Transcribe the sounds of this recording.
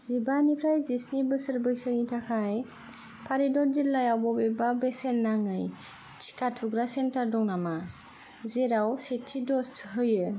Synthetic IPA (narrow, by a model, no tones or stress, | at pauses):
z̥ibanipʰɾajzisnibɯsɯɾbɯjsɯŋitʰakʰaj | pʰaɾidɔɾd͡ʒillːajawbɔbebabesenːaŋɯj | t͡ʃʰi̥katʰuɡɾasentaɾdɔŋnama | zeɾawsetʰːidɔstʰɦɯjɯ